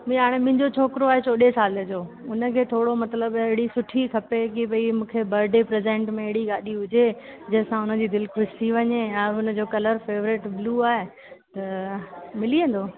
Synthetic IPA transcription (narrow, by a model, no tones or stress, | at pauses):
mĩɦaːɽ̃emɪ̃ɦɪ̃ɲd͡ʑot͡ɕʰoːkɾoaːɦet͡ɕʰoːɗesaːləd͡ʑoːʊnə̆kʰeːt̪ʰoːɽomɐt̪ləbɐɦɪɽisʊʈʰikʰɐpekibɐimũːkʰebɐɾɖepɾeːzẽːɳʈmẽɐɦɪɽiɡaːɗiɦʊd͡ʑed͡ʑɐ̃ɦɪ̃sãʊnə̆d͡ʑiːd̪ɪlkʰʊʃt̪ʰiʋɐɲeɛ̃ːʊnə̆d͡ʑoːkɐləɾfeːʋɾɪʈbluːaːɦe | t̪ɐ | mɪliə̃nd̪oː